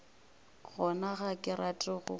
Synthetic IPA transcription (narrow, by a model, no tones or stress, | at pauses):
ɣɔnaɣakʼɪɾatʼɔɣʊ̰